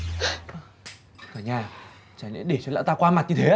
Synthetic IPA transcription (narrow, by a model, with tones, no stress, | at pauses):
zɔː˨˩ɲaː˧˩ | t͡ɕaː˨˩nḭ˧˥ɗe˧˩t͡ɕɔ˧la̰˧˥wt̪aː˧kwaː˧ma˨˩t̚ɲɨ˧t̪ʰe˨˦